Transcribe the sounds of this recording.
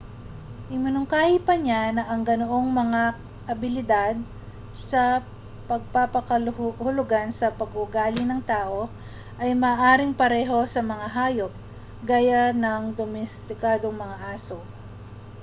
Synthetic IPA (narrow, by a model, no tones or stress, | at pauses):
ʔɪmɪnʊŋkaːhipɐɲanɐʔɐŋɡɐnoʔo̞ŋmɐŋa | ʔɐbɪlɪd̪ad̪̚ | sɐ | pɐɡ̚papɐkɐlhʊlʊɡansɐpɐɡʊɡaːlɪnɐŋt̪aːʔo̞ | ʔɐjmɐːʔaːɾɪŋpɐɾɛːɦo̞sɐmɐŋaɦaːjo̞p̚ | ɡaːjanɐŋd̪omɛst̪ɪkaːd̪o̞ŋmɐŋaʔaːso